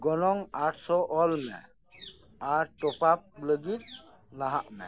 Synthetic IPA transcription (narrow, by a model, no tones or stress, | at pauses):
ɡɔnɔŋaʈʰsɔʔɔlmḛ̃ | aɾʈɔpap̚ləɡit̪̚laɦa̰ʔmɛ̰̃